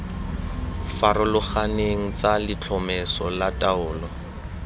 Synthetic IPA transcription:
faɾʊlʊχaneŋ̩t͡salɪt͡ɬʰɔmɛsɔlatʼaʊːlɔ

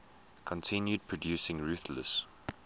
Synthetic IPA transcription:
kʰɔ̃ntʰɪ̃njud̚pʰɹ̥ɔdjʉːˑsɪ̃ŋɹʉˑθləs

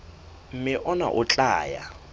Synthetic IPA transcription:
m̩mɪʔɔna̰ʔʊt͡ɬʼaːja̰

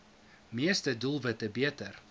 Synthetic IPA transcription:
miəstədulˠvətəbiətər

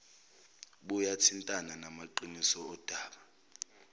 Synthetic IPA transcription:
ɓujatʰintʼananamaǃinisɔɔd̥ʱaːɓa

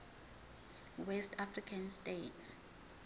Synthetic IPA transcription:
wɛstʰafrikʰanstʼejtʰs

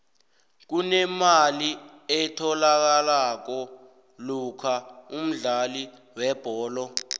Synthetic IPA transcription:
k̬unɛmali | ɛtʰɔlak̬alak̬ɔ | lukʰaum̩ɮali | wɛb̥ʱɔːlɔ

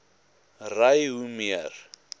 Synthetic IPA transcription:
rajɦumiar

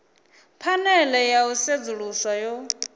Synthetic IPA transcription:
pʰanɛlɛjaused͡zuɺusajɔ

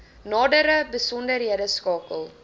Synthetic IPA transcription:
nɑːdəɾəbəsɔndəɾɦiədəskɑːkəlˠ

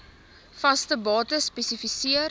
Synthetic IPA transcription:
fɐstəbɑːtəspɛsifisiər

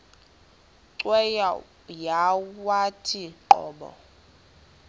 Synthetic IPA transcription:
ǀwɛja | jawatʰiǃɔ̰ːɓɔ̰

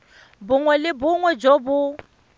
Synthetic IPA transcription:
bʊŋwɛlɪbʊŋwɛd͡ʒobʊ

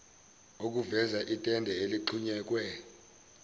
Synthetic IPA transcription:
ok̬uvɛzaʔitʼɛndʱɛeliǃʰuɲɛːk̬ʼwɛ

